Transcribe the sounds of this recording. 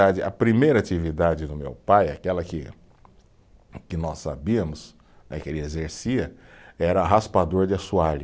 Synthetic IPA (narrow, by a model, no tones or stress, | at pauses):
ad͡ʒɪʔɐpɾimejɾɐat͡ʃivid̪ad͡ʒɪd̪ʊmḛwpaja̰kɛlɐkɪ | kɪnɔsːa̰biɐmʊs | nɛ̰keliezeɾsiɐɛɾɐaɦaspad̪oɾd͡ʒɪasuaʎ